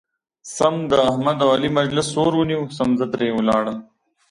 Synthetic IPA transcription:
sɐmd̪əɐhmɐd̪ɐwɐlimɐd͡ʑlɪsːoːɾuniwsɐmzɐt̪ɾeːulaːɽən

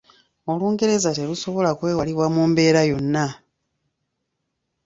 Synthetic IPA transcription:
o̞luːŋɡe̞ɾe̞zate̞luso̞βo̞lakwe̞ːwaliβwamuːmbe̞ːɾajo̞nːa

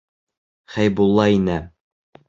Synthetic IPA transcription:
χæjbulˠːɑinæ

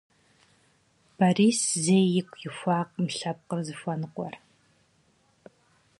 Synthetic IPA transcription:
b̥aːriːszeːjɪkʷʰʼjɪxʷaːqʼmɨɬɐp̚qərzɨfʷɔnɨqʷɔ̰r

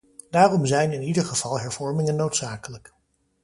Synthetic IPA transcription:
d̥aːrɔmzɛjnɪnidəɹχəv̥ɑlˠɦɛɹv̥ɔɹmɪŋənːowtsaːkələk

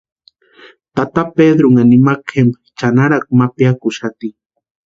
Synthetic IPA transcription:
t̪at̪aped̪ɾʊŋanimakem | t͡ʃanaɾak̚mapjakʊʃat̪i

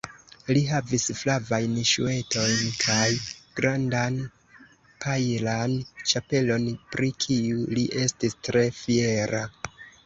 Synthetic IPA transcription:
liɦavisflavajnʃṵe̞to̞jnkʰajɡ̥ɾandan | pʰajlant͡ʃape̞lo̞npɾikʰiuliʔe̞stistɾe̞fie̞ɾa

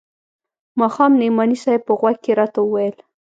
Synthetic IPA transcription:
mɑxɑmnemɑnisajpəɣwaɡ̚keɾɑt̪aəwajəl

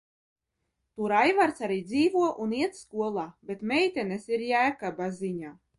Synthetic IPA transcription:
t̪uɾajvaɾt̪saɾiːd̪ziːvuɔʔuniɛt̪skuɔlˠaːbʲet̪mʲɛjt̪ʲɛnɛsiɾjæːkabaziɲaː

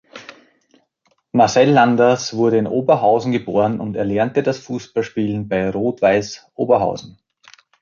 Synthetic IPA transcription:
masɛlːandɐsv̥ʊɐɾəɪnʔoːbɐɦaʊzn̩ɡəboːʁənʔʊntɛɐlɛɐntədasfuːsb̥alʃpiːlən̩baɪʁoːtv̥aɪsʔo̰ːbɐɦa̰ʊzn̩

